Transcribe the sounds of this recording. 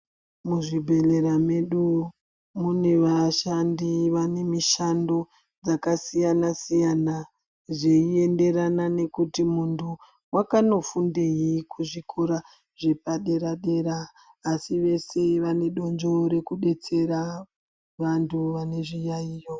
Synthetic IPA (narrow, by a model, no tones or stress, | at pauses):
muʐibʱe̞le̞ɾame̞ɗu | mune̞ʋaʃandiʋane̞miʃando̞ | d͡zakasijanasijana | ʐeie̞nde̞ranane̞kutimuntʰu | wakano̞fundejikʰuʐikʰoɾa | ʐ̥e̞paɗe̞ɾaɗe̞ɾaː | siʋe̞se̞ʋane̞ɗo̞nd͡ʒo̞ɾe̞kuɗe̞t͡se̞ɾa | ʋantʰuʋane̞ʐijaiːjo